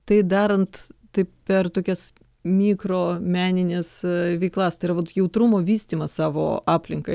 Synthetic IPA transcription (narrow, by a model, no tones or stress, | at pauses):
t̪ɐɪd̪ɑːɾɐnt̪t̪ɐɪppʲɛrt̪oːkʲɛs | mʲiːkɾoːmʲæːnʲɪnʲesʋʲɛɪklˠɐst̪ɐɪɾɐʋɐt̪jɛʊt̪ɾʊmoːʋʲiːsʲt̪ʲiːmɐssɑːʋo̰ːɑːpʲlʲɪŋkɐɪ